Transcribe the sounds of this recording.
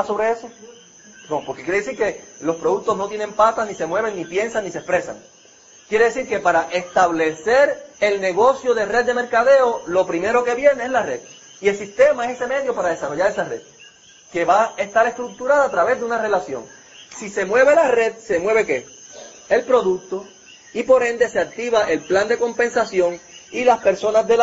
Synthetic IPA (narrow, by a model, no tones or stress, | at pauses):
so̞βɾeeso | nopo̞ɾkekjeɾees̬iɾke̞lo̞spɾo̞ðuk̚t̪o̞znot̪je̞nẽ̞mpat̪asnise̞mwe̞β̞eŋnipje̞nsaŋnisespɾe̞sa̰ŋ | kjeɾe̞ðe̞siɾke̞paɾaʔe̞st̪aβle̞se̞ɾe̞lne̞ɣo̞sjo̞ðere̞d̪̚d̪e̞me̞ɾkaðe̞olo̞pɾime̞ɾo̞ke̞βje̞neezlare̞ð̥ | ie̞lsist̪e̞maesese̞me̞ðjo̞paɾað̞e̞saro̞ʝaɾe̞sare̞̰ð | ke̞βae̞st̪aɾe̞st̪ɾuk̚t̪uɾaðoat̪ɾaβe̞zðeunare̞lasjo̞̰ŋ | sise̞mwe̞βe̞lare̞ð̚se̞mwe̞βe̞ke̞ | e̞lpɾo̞ðuk̚t̪o̞ | ipo̞ɾẽ̞nd̪e̞se̞ak̚t̪iβaʔe̞lpland̪e̞ko̞mpe̞nsasjo̞ŋilaspe̞ɾso̞nazðel